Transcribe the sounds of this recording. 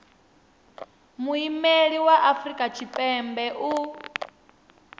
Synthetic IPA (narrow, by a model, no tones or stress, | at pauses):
muimeɺiwaʔafɾikʼat͡ʃʰipʼɛmbɛʔu